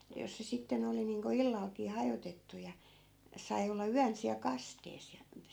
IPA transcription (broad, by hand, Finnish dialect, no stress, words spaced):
jɑ jos se sitːen oli niːŋko ilːɑlkiː hɑjotetːu jɑ sɑi̯ olːɑ yæn siæl kɑsteːs jɑ ĕtːæ